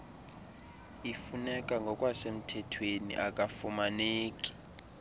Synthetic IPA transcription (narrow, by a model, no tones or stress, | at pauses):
ifunɛkʼaŋɡʱɔkʼwasem̩tʰɛtʰwenḭʔakʼafumaneːkʼi̥